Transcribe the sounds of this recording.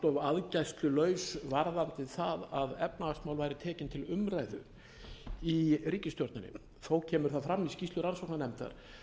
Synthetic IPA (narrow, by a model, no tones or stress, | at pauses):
t̪ɔvaðcajst̪lʏlœːɥsvaɾðant̪ɪθaðaðɛpnaakst̪maːwlvajɾɪt̪ʰɛːcɪnt̪ʰɪlʏmɾajðʏ̰ | iriːcɪst̪jɔɾt̪nɪnɪ̰ | θowcʰɛːmʏɾ̥θaðfɾamːiscist̪ʏɾansɔwknanɛmt̪a̰ɾ̥